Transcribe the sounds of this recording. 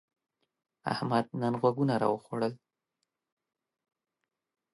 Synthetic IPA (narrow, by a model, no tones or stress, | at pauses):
a̰hmad̪̚nanɣwaɡunaɾɑ̰wəxoɽəl